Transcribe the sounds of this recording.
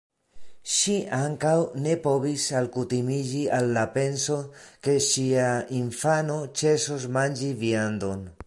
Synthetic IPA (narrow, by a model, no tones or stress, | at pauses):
ʃiʔaŋkawne̞po̞visalkutimid͡ʒialːape̞nso̞ke̞ʃiainfano̞t͡ʃe̞sosmand͡ʒiviand̪o̞n